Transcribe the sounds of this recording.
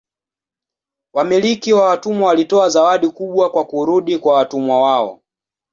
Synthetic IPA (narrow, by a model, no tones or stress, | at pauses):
wamilikiwawatumwawalitɔazawaɗikuɓwakwakuɾuɗikwawatumwawaɔ̰